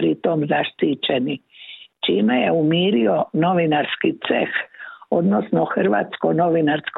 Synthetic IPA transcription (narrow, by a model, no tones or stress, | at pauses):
ɾit̪omzaʃt̪iːt͡ʃenit͡ʃiːmejeumiːɾionoʋinaɾskit̪sḛxod̪nosnoxr̩ʋa̰ːt̪skono̞ʋinaɾsk